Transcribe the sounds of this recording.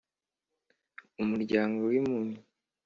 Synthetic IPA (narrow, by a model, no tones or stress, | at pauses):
umuɾɟaːŋɡowimumi